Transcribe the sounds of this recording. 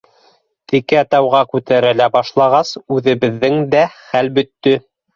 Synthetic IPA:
t̪ikæt̪ɑwʁɑkʉt̪æɾælæbɑʃlˠɑʁɑsʉðɘ̆βɘ̆ðːɘŋd̪æχælbɵ̆t̪ːɵ

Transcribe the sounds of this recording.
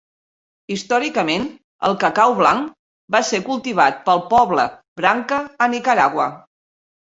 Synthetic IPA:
ist̪ɔɾikəmen | ə̰lˠkəkawβlaŋ | basekulˠt̪iβ̞at̪̚pəlˠpɔβlə | bɾaŋkəːnikəɾaɣwə

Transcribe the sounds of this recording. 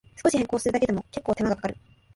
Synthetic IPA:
sɨ̥ko̞ɕiheŋko̞ːsɨɾɯ̟d̪aked̪e̞mo̞ke̞kːoːt̪e̞maɡakḁkaɾɯ̟̰

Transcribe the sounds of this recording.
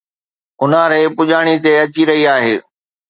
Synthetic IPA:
ʊnaɾeːpʊʄaːɽ̃it̪eɐt͡ɕiɾɐɦiaːɦeː

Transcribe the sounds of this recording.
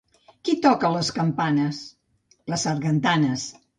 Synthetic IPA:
kit̪ɔkələskəmpanəs | ləsərɣənt̪anəs

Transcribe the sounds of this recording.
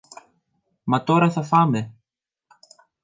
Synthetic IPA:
mɐt̪o̞ɾɐθɐfɐme̞

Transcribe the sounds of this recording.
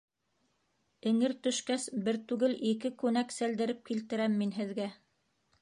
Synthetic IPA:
ɘ̆ŋɘɾt̪ɵ̆ʃkæsbɘɾt̪ʉɡɘlʔikɘkʉnæksæld̪ɘ̆ɾɘp̚kilt̪ɘ̆ɾæmːinɦɘ̆ðɡæ

